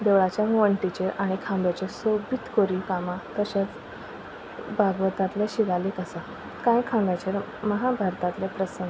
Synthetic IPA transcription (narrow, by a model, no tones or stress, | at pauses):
d̪eʋɭat͡ɕjaŋʋəɳʈit͡ɕeʔaɽ̃ikʰãmbjat͡ɕesobit̪koɾikamat̪əɕjat͡s | bʱaɡʋət̪at̪leɕiɡalikəsa | kãjkʰãmbjat͡ɕeɾ | məɦabʱaɾt̪at̪lepɾəsəŋɡ